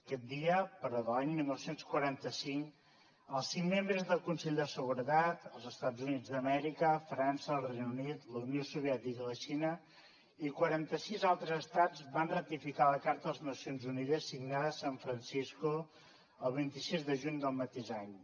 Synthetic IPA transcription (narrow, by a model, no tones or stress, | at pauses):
əkɛt̪̚d̪iəpəɾɔðəlaɲmilˠnɔwsenskwəɾant̪əsiŋk | əlˠsiŋmembɾəzðəlˠkunsɛʎd̪əsəɣuɾət̪at̪əlˠzəst̪ad͡zunid͡zd̪əmɛɾikəfɾansəːlˠrejnunit̪ləuniosuβ̞ijɛt̪ikələʃinə | ikwəɾant̪əsizalˠt̪ɾəzəst̪ad͡zbanrət̪ifikaləkaɾt̪əːlˠznəsionzuniðəsːiɡnaðəsaɱfɾənsisku | əlˠβint̪isizðəʒuɲd̪əlˠmət̪ezaɲ